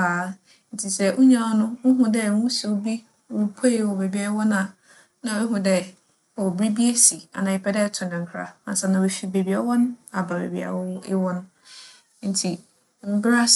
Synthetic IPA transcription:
a˨ | n̩˨tʰi˨sɛ˦ʔʊ˦ɲã˨ɔ˦nʊ̃˦ʊ˦ɦʊ̃˨dɛ˦˨˦wũ˦su˨˦bi˦˨ | ɾu˨pʰo˦e˨wɔ˨be˨bi˨a˦wɔ˦nã˨ | nã˨˦ɛ˦ɦʊ̃˨dɛ˦ | ɔ˨bɾi˦bi˦e˦si˨a̰˨nã˨ɪ˨pʰɛ˦dɛ˦tʰʊ̃˨nɪ̃˨ŋ̩˨kʰɾa̰˨ã˨sa˨nã˨e˨fi˨be˨bi˨˦a˦wɔ˦ñ˦a˨ba˨bḛ˨bi˨a̰˨wɪ˦wɔ˦nʊ̃˦ | n̩˨˦tʰi˨˦ | m̩˨˦bɾa˦

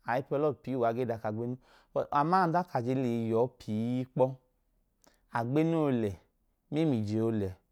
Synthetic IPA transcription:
a˨i˦pɔ˧lɔ˦˨pi˨˦˨wa˨˦ɡe˦da˨˧˨ka˨ɡ͡be˦nu˦˨ | a˨ma˦˨˦da˦ka˨d͡ʒe˧˦le˨˧˨jɔ˨˦pʰi˨˦i˦k͡pɔ˦ | a˨ɡ͡be˦nu˦o˧lɛ˨ | me˦mi˨d͡ʒe˨o˧˦lɛ˨

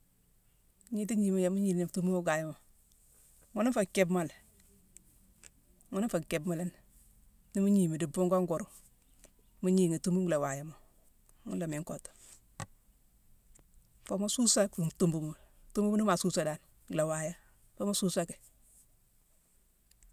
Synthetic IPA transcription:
ɲi˦ti˦ɲi˨mi˨˦ja˨mu˦ɲi˨ni˨tu˦mbu˦mu˦ɡa˨ja˦mo˨ | ŋo˦ni˦fa˨ke˦bma˨l | ŋo˦ni˦fa˨ke˨bma˦la˦n | ni˦mu˦ɲi˨mi˨di˨bu˦ŋɡo˦ŋɡo˨ɾu˨ | mu˦ɲi˨ŋe˨tu˦mbu˦˨la˨wa˨ja˦mo˨ | ŋṵ˦la˨me˨ŋko˨tu̥˨ | fo˨˦mo˦su˦sa˦ku˨tu˦mbu˨mu˨ | tu˦mbu˦mu˦nu˦ma˨su˦sa˦˨da˨n | ɡla˨wa˨ja˦ | fa˦ma˦su˦sa˦ke̥˨

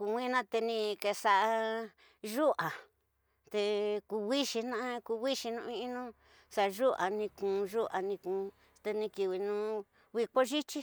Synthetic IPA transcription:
ku˧wʷĩ˦nã˦t̪e˧nĩ˧ke˧sa˧ʔa˧ | ʒu˦ʔa˨ | t̪e˧ku˧wi˦ʃi˧nã˦ku˧wi˦ʃi˧nũ˧ĩ˦˧ʔi˦nũ˦ | sa˧ʒu˦ʔa˨nĩ˧kũ˨˧ʒu˦ʔa˨nĩ˧kũː˨˧ | t̪e˧nĩ˧ki˧wi˧nũ˧˦ | wi˧ko˦ʒi˦t͡ʃi˦

